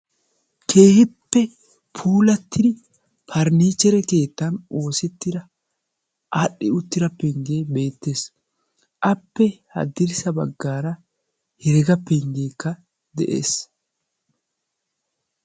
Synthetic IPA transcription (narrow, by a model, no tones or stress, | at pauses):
kʰe̞ːhɪpːɛ | pʰuːlɐt̪ːɪd̪ɪ | pʰɐɾniːt͡ʃːɛɾɛke̞ːt̪ːɐno̞ːsɛt̪ːɪd̪ɐ | ʔaɗɪʊt̪ːɪɾɐpːɛŋɡeːbe̞ːt̪ːe̞ːs | ʔɐpːɛhɐ̰d̪ɪɾsɐbɐɡːaːɾɐ | hɪɾɛɡɐpːɛŋɡeːkːɐ | d̪ɛʔḛːs